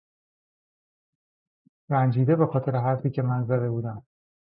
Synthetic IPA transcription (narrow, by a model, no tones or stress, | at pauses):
ɾænd͡ʒiːd̪e̞be̞xɒːt̪ʰe̞ɾe̞ɦæɾfiːcʰe̞mænzæd̪e̞buːd̪æm